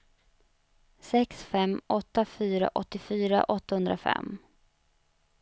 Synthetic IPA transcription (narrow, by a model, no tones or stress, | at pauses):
sɛksfɛmɔt̪ːafyːɾa̰ʔɔt̪ːɪfyːɾa̰ʔɔt̪ːahɵnd̪ɾafɛ̰mː